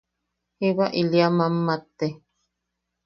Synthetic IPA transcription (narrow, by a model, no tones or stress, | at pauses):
hiβaʔiliamamːat̪ːe